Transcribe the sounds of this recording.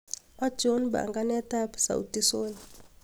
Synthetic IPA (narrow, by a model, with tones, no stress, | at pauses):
a˦d͡ʒo˦nba̰˨ŋɡa˦nɛ˦ta˦psa̰˨wṵ˨ti˦soː˦ni